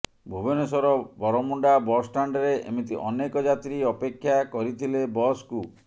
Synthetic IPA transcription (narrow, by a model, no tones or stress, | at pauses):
bʱubɔnesɔɾɔbɔɾɔmuɳɖabɔsʈaɳɖɾeʔḛmit̪iʔɔnekɔd͡ʒat̪ɾiɔpekʰːjakɔɾit̪ʰilebɔsku